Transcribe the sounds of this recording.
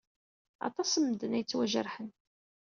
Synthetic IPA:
ɑ̰t̪ˤɑsəmːd̪ənæjət͡sːwæʒə̰ɾħən

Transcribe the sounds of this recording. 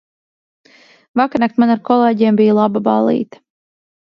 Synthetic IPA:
vakaɾnak̚t̪manaɾkɔlˠeːɟeɛmbijlˠababa̰lˠḭːt̪ḁ

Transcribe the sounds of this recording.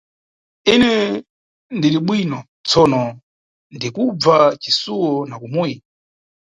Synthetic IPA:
inɛ | ndiɾiɓwinɔ | t͡sʰɔnɔ | ndikub͡vat͡ʃisuwɔnakumuji

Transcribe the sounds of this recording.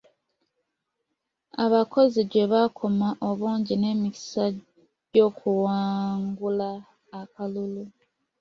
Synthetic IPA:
aβako̞ziɟe̞βakʰo̞maʔo̞βuːɲɟine̞ːmici̥sa | ɟo̞ːkʰuwaːŋɡulaː | kalulu

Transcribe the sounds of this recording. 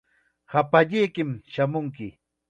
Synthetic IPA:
hapaʎɪjkɪmʃamʊŋkɪ

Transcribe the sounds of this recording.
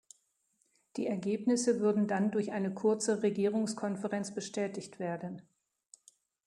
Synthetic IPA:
d̥ḭːɛɐɡeːpnɪsəvʏɐdn̩dandʊɐçʔaɪnəkʰʊɐt͡səʁeɡiːʁ̞ʊŋskʰɔnfəʁɛnt͡sb̥əʃtʰɛːtɪçtv̥eːɐdn̩

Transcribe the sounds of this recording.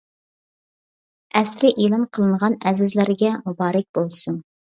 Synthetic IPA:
ɛsɾɪʔilˠɑnqʰəlˠɨɴʁɑnɛzɪzlæɾɡʲɛmubɑːɾɪk̚ʲb̥olˠsun

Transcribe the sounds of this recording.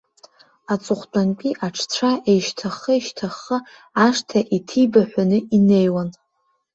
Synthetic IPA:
at͡sʼʊχʷt͡pʷʼankʲʷʼiʔaʈ͡ʂʰt͡sʷʰaʔejʃtʰaχəiʃtʰaχə | aʂtʰaʔitʰijbaħʷᶣanɨʔinejwan

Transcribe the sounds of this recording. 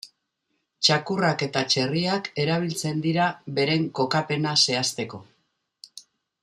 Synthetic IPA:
t͡ʃakurake̞t̪at͡ʃe̞riake̞ɾaβ̞ilt͡se̞nd̪iɾaβe̞ɾe̞ŋko̞kape̞nase̞ast̪e̞ko̞

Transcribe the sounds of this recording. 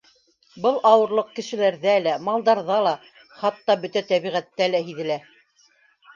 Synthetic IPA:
bɤlˠɑwɤ̆ɾlˠɤq̚kɘ̆ʃɘ̆læɾðælæmɑlˠd̪ɑɾðɑlˠɑ | χɑt̪ːɑbɵt̪æt̪æβiʁæt̪ːælæɦiðɘ̆læ

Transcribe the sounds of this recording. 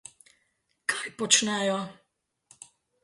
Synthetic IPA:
kajpɔt͡ʃnɛjɔ

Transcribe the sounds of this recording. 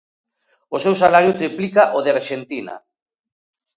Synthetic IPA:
osewsalaɾjʊt̪ɾiplikaʔoðeaɾʃent̪ina̰

